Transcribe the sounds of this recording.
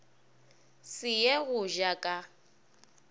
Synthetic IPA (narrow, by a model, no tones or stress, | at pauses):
sɪjɛɣʊʒakʼa